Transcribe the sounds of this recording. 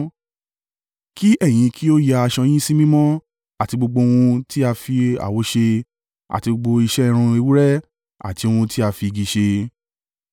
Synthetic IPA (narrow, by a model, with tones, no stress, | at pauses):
ki˦ɛ˦˨j̃ĩ˨˧ki˦o˦ja˧a˧ʃɔ̃˧j̃ĩ˦si˦mĩ˦mɔ̃˦ | a˦˨ti˧ɡ͡bo˧ɡ͡bo˧wũ˧ti˦a˧fi˧a̰˨wo˨˦ʃe˧ | a̰˨ti˧ɡ͡bo˧ɡ͡bo˧i˧ʃɛ˦˧ɾ̃ũ˧e˧wu˦ɾɛ˦ | a̰˦˨ti˧w̃ũ˧ti˦a˧fi˧ɡi˧ʃe˧